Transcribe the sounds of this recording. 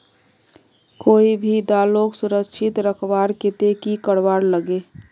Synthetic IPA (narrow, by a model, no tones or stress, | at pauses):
koːibʱid̪aːloksʊɾəkʃʰɪt̪ɾəkʰbaːɾket̪ekikəɽbaːɾləɡe